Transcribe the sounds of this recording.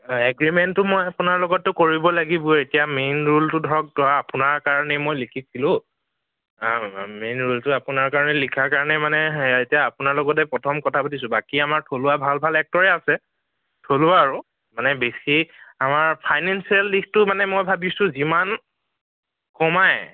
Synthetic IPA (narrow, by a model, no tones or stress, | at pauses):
ɛɡɹimɛntːʊmojapʊnaɹlɔɡɔtːʊkoɹibɔlaɡibʊetijamenɹultʊdʱɔɹɔk̚dɔwaːpʊnaɹkaɹɔnɛmojlikʰisilʊ̃ | menɹultʊapʊnaɹkaɹɔnɛlikʰaɹkaɹɔnɛmanɛetijaːpʊnaɹlɔɡɔt̬ɛpɹɔtʰɔmkɔtʰapatis̬ʊ̃bakiamaɹtʰolʊwabʱalbʱalɛk̚tɔɹɛasɛ | tʰolʊaːɹʊ | manɛbesiamaɹpʰajnɛnsialːiktʊmanɛmojbʱabisʊ̃ziman | kɔmaj